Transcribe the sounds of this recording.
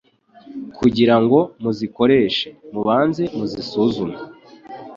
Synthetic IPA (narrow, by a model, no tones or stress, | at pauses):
kʰuɟiɾaŋɡo̞muziko̞ɾe̞ːʃe̞muβaːnze̞muzisuːzume